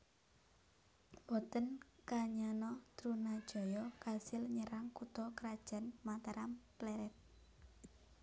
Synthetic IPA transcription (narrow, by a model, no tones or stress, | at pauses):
wɔt̪ənkaɲanɔt̪ɾunad̥ʒ̥ɔ̤jɔkasɪlɲəɾaŋkut̪ɔkɾad̥ʒ̥ä̤nmat̪aɾamplɛɾɛt̪̚